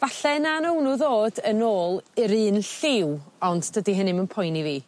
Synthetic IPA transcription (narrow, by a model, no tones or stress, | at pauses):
vaɬɛnanəwnʊðoːdənoːlˠɪɾɨːnɬɪwɔnddədiɦənɪmənpʰɔjniviː